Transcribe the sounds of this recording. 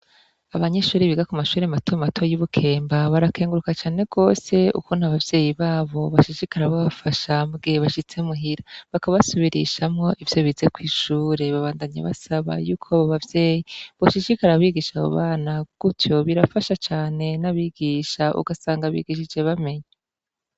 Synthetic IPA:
aβaɲe̞ʃuːɾiβiɡakumaʃuːɾematʰomatʰojuβukʰe̞ːmbaβaɾakeːŋɡuɾukat͡ʃaːne̞ɡ̥o̞ːse̞ṵkunaβavje̞ːjiβaːβo̞βaʃiʃikaɾaβoβafaʃabɡe̞βaʃit͡se̞muɦiɾaβakaβasuβiɾḭʃamŋo̞ʔivjo̞βiːze̞kwiːʃuːɾe̞βaβaːndaɲa̰βa̰saβa̰juːkʰoβaβavje̞ːjiβoʃiʃikaɾaβiɡiʃaβo̰βaːnaɡ̥utjo̞βiɾafaʃat͡ʃaːne̞naβiɡiʃaʔṵɡasaːŋɡaβḭɡiʃ̬id͡ʒe̞βame̞ɲa

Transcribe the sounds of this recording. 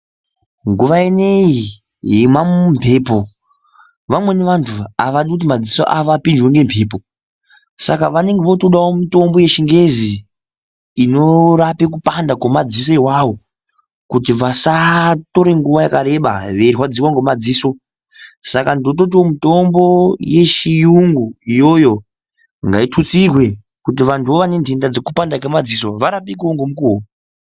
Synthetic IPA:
ŋɡuʋaene̞i | ɦimamumpʰe̞ːpo̞ | ʋamwe̞niʋantʰuaʋaɗikut̬imad͡ziso̰ʔaʋapind͡ʒweŋɡe̞mpʰe̞ːp̬o | sakaʋane̞ŋɡeʋo̞toɗawomito̞mbo̞je̞ʃiŋɡe̞ziː | no̞ɾapek̬upandakwomad͡zis̬oiwawo̞ | kutiʋasato̞ɾe̞ŋɡuʋajakaɾe̞ɓa̰ʋeriɦwad͡ziwaŋɡomad͡ziːso̞ | sakandot̬ot̬iwo̞mito̞mbo̞je̞ʃijuŋɡuijo̞jo | ŋɡaitʰut͡sirwe̞ | kut̬iʋantʰuoʋane̞ndʱindad͡zekupandakemad͡ziso̞ʋaɾapikuoŋɡomukuo

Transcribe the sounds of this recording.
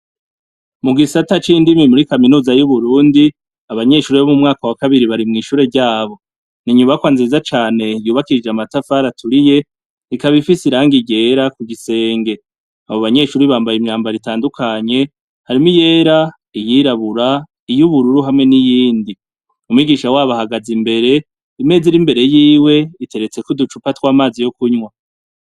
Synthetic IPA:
muɡisatat͡ʃindimimuɾikaminuːzajuβuɾuːndi | aβaɲe̞ʃuːɾeβomumŋaːkawakaβiɾiβaɾimŋiːʃuːɾe̞ɾɟaːβo̞ | niɲuβakwaːnziizat͡ʃaːne̞juːβakid͡ʒeamatafaɾatʰuɾije̞ | ikaβifisiɾaːŋɡiɟe̞ɾakuɡise̞ːŋɡe̞ | aβoβaɲe̞ʃuːɾiβaːmbajimɲaːmbaɾitaːndukʰaɲe̞ | haɾimije̞ɾa | ijiɾaβuɾa | ijuβuɾuɾuɦamŋe̞nijiːndi | umwiɡiːʃawaːβahaɡazimbe̞ɾe̞ | ime̞ːziɾimbe̞ɾe̞jiːwe̞ite̞ɾe̞t͡se̞kudut͡ʃupatwaːmaːzijo̞kuɲwa

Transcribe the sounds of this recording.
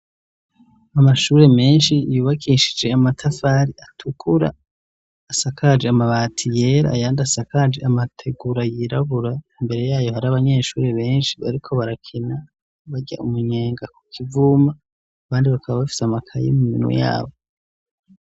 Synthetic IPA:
amaʃuːɾe̞me̞ːnʃijuːβakʰiːʃid͡ʒe̞amatʰafaɾiatʰukʰuɾa̰ː | sakʰad͡ʒeamaβaːtʰije̞ɾa̰jaːndasakad͡ʒeamatʰe̞ɡuɾajiɾaβuɾaimbe̞ɾe̞jaːjo̞haɾaβaɲe̞ːʃuːɾe̞βe̞ːnʃiβa̰ɾikʰo̞βaɾakʰena | βaɟa̰ʔumuɲe̞ːŋɡaku̥kʰivumaː | βaːndiβakʰaβaβafi̥seamakʰajḭmuminṵja̰ːβo̞

